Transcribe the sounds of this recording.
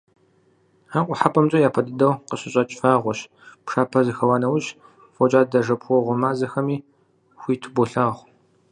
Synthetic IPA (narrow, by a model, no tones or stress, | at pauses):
aːqʷʼɔħapʰʼɐmt͡ʃʼɐjaːpʰɐdɨdɐwqəɕɪɕʼɐt͡ʃʼfaːʁʷɔɕ | pʂaːpʰɐzɨxɐwaːnɐwʊɕ | fɔt͡ʃʼaːdɐʒɐpxʷɔʁʷʊmaːzɐxɐmiː | xʷiːtʰɨboɬɐːʁʷ